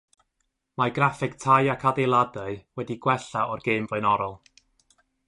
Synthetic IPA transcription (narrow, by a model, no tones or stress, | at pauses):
maɡrafɪɡtʰajakʰadejlˠadəɨwɛdiɡwɛɬaʔɔrɡ̥eɨmbɔjnɔɾɔlˠ